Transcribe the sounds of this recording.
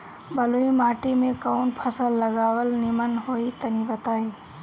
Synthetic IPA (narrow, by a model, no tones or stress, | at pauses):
bəluimaːʈimẽkəʊnpʰəsəlːəɡaːwəlnɪmənɦoːit̪ənibət̪aːi